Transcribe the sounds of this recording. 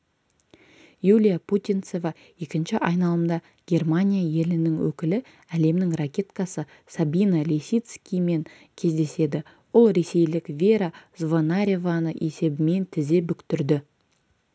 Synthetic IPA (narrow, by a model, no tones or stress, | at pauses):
julʲijapʰut̪ʲijnt̪so̞vɑ | je̞kʲɪnʃɪʔɑjnɑlˠəmd̪ɑ | ɡ̥ʲe̞rmanʲijaje̞lɪnɪŋwɵ̰kʲɪlɪ | æle̞mnɪŋrakʲe̞t̪kɑsə | sabinalʲesʲit̪skʲijme̞ŋ | kʲʰe̞zd̪e̞se̞d̪ɪ | bʊlˠɾe̞se̞jlɪkvʲeɾazvonaɾʲevanəʔe̞se̞bɪme̞nt̪ʰɪze̞bʏkt̪ʏɾd̪ɪ